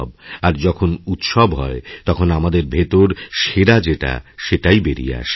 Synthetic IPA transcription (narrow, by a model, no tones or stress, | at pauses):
baɾd͡ʑɔkʰonut̪ʃɔbɦɔet̪ɔkʰonamad̪eɾbʱet̪oɾʃeɾad͡ʑeʈa̰ʃeʈajbeɾḭa̰ʃ